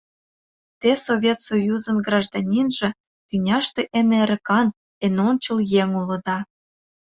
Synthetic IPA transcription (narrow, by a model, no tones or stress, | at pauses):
t̪esoβʲet̪sojuzənɡrɑʒd̪ɑnʲinʒĕ | t̪ynʲɑʃt̪ĕʔeneɾə̆kɑn | enonʲt͡ɕə̆ljeŋulɤ̆d̪ɑ